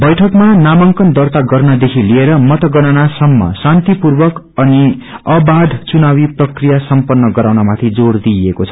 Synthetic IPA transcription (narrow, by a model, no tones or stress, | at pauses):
bʌjʈʰʌkmanamʌŋkʌnd̪ʌrt̪aɡʌrnad̪ekʰilieɾʌmʌt̪ʌɡʌnanasʌmːʌ̰sant̪ipurbʌk | ʌniʌbad̪ʱt͡sunawiprʌkrijasʌmpʌnːʌɡʌɾawnamat̪ʰid͡zord̪iekot͡sʰʌ